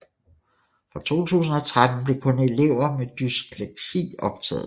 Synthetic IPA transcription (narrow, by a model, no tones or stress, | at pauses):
fʁɑ̈t͡sʰo̝̰ːt͡sʰṵːsn̩ɒ̽t͡sʰʁad̥n̩b̥le̝kʰɔ̽ne̝le̝ʊ̰ɐmed̥ysɡ̥ʰleɡ̥sḭːɒ̽b̥̚t͡sʰɛ̰ːð̩ˠ